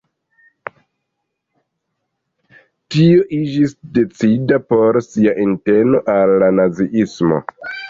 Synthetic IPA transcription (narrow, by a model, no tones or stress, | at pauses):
tio̞ʔid͡ʒisde̞t͡sidapo̞ɾsiaʔinte̞no̞ʔalːanaziʔismo̞̰